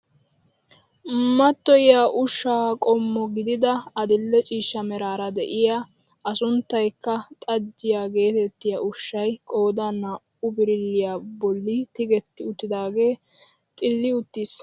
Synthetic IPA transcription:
mɐt̪ːɔjɪjaʔʊʃːaːkʼɔmːɔɡɪd̪ɪd̪ɐɐd̪ɪlːɛt͡ʃʼiːʃːɐmɛɾaːɾɐd̪ɛ̰ʔɪja | ʔɐsʊnt̪ːɐjkːɐt̪ʼɐd͡ʒːɪjaɡe̞ːt̪ɛt̪ːɪjɐʔʊʃːɐjkʼo̞ːd̪ɐnɐ | ʊbɪɾɪlːɪjaːbɔlːɪt̪ɪɡɛt̪ːɪʊt̪ːɪd̪aːɡe̞ː | t̪ʼɪlːɪʊt̪ːɪs

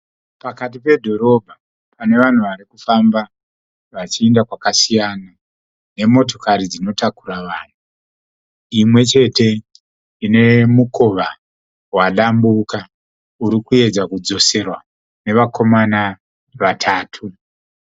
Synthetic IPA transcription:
pakatipe̞dʱo̞ɾo̞bʱa | pane̞ʋan̤uʋaɾikufamba | ʋat͡ʃiendakwakasijana | ne̞mo̞to̞kaɾid͡zino̞takuɾaʋaːn̤u | imwe̞t͡ʃe̞te̞ | ine̞muko̞ʋa | waɗambuka | uɾikue̞d͡zakud͡zo̞se̞rwa | ne̞ʋako̞mana | ʋatʰaːtʰu

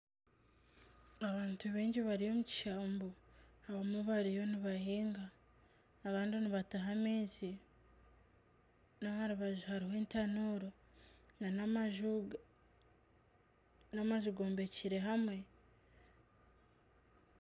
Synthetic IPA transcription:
aβaːntuβeːɲɟiβaɾijo̞muci̥ʃaːmboaβamuβaɾijo̞niβahiːŋɡaː | βaːndioniβataɦameːzi | nahaɾuβaʒuhaɾiɦweːntanuɾo | nanʒ | namaʒuɡo̞ːmbe̞ciɾe̞ɦamwe̞

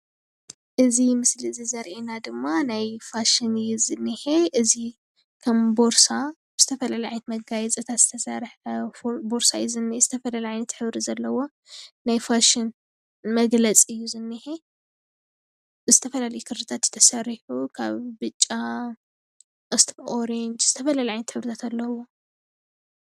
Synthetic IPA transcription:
ʔɨzimɨsliɨzizɐɾʔenad̪ɨmːanajfaʃɪnɨjːuzɨnːɨheʔɨzi | kʰɐmbo̞ɾsa | bɨz̥ɨt̪ʰɐfɐlaliajnt̪mɐɡajɛt͡sʼɐt̪ʰat̪z̥ɨt̪ʰɐsɐɾħ | bo̞ɾsajzɨnːz̥ɨt̪ʰɐfɐlalʕajnɐt̪ħɨβɾizɐlːɐwo̞ | najfaʃɪn | mɐɡlɐt͡sʼɨjːuzɨnːɨħe | zɨt̪ʰɐfɐlalɐjukʰɨɾɾɨt̪ʰat̪jɨ̥t̪ʰɐsɐɾiħukʰa̰βbɨt͡ʃʼːa | ʔɨst̪ʰibʔoɾend͡ʒz̥ɨt̪ʰɐfɐlaliʕajnɐt̪ħɨβɾɨt̪ʰat̪alːɐwo̞

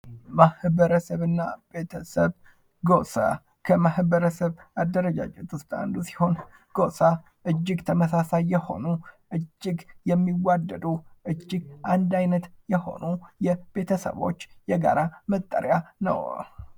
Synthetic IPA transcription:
mahβəɾəsəβɨnːabe̞t̪ʰəsəβ | ɡosa̰ | kʰəmahbəɾəsəβad̪ːəɾəd͡ʒa̰d͡ʒʼet̪ʰust̪ʼa̰nd̪usi̥ho̞n | ɡ̥osa | ʔɨd͡ʒːɪɡt̪ʰəməsasajːɛho̞̰nu | ʔɨd͡ʒːɪɡjɛmːiwad̪ːəd̪uʔɨd͡ʒːɪɡʔand̪ajnət̪jɛho̞̰nujɛb̥e̞t̪ʰəsə̰βo̞̰t͡ʃːjɛɡa̰ɾamət̪ʼːə̰ɾjanə̰w

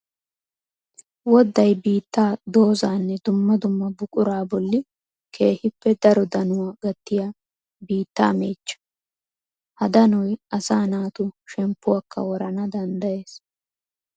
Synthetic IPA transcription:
wɔd̪ːɐjbiːt̪ːaːd̪o̞ːzaːnːɛd̪ʊmːɐd̪ʊmːɐbʊkʼʊɾaːbɔlːɪ | kʰe̞ːhɪpːɛd̪ɐɾɔd̪ɐnʊwaɡɐt̪ːɪja | biːt̪ːa̰ːme̞ːt͡ʃːɐ̥ | hɐd̪ɐnɔjɐsaːnaːt̪ʊʃɛmpːʊwɐkːɐ̰wɔɾɐnɐd̪ɐnd̪ɐje̞ːs

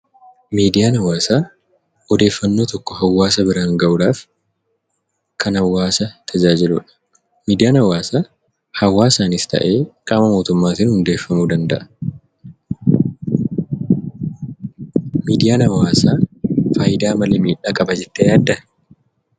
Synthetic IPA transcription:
miːd̪ɪjaːnɐwaːsaː | ʔɔd̪e̞ːfːɐnːo̞ːt̪ɔkːɔhɐwːaːsɐbɪɾaːŋɡɐʔʊᶑaːf | kʰɐnhɐwːaːsɐt̪ʰɐd͡ʒaːd͡ʒɪlṵːᶑɐ̥ | miːd̪ɪjaːnhɐwaːsaː | hɐwːaːsaːnɪst̪ɐ̰ʔe̞ːkʼaːmɐmo̞ːt̪ʊmːaːt̪ɪnhʊnd̪e̞ːfːɐmuːd̪ɐnd̪ɐʔɐ̥ | miːd̪ɪjaːnɐwaːsaːfaːjɪd̪aːmɐlemiːᶑaːkʼɐbɐd͡ʒɛt̪ːejaːd̪ːɐ

